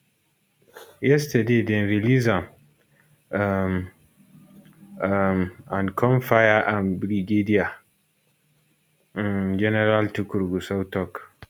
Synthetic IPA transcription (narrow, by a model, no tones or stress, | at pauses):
jɛstadedɛ̃nvilizam | m | mãnkʰɔ̃nfajaʔanbɾiɡedija | d͡ʒɛnɛɾaltukuɾɡusawtɔk